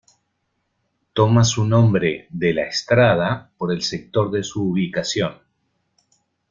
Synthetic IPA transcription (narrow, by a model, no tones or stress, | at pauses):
t̪o̞masunõ̞mbɾe̞ðelaest̪ɾað̞apo̞ɾe̞lsek̚t̪o̞ɾðe̞suːβikasjo̞n